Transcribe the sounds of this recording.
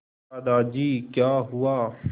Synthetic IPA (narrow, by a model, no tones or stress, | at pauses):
ad̪aːd͡ʒiːkjaːɦuaː